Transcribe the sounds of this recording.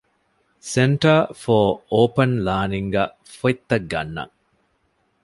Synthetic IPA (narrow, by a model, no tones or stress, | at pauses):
seɳʈɐfoːoːpɐnlaːniŋɡæ | foit̪ːɐɡːɐ̰nːɐ̰ŋ